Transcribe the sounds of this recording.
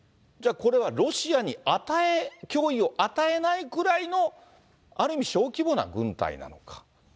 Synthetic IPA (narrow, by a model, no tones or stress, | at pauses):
d͡ʑaːko̞ɾe̞β̞aɾo̞ɕiaɲ̟iat̪aekʲo̞ːio̞ʔat̪ae̞naikɯ̟ɾaino̞ | aɾɯ̟imʲiɕo̞ːkʲibo̞na̰ɡɯ̟̃nt̪a̰ḭna̰no̞kḁ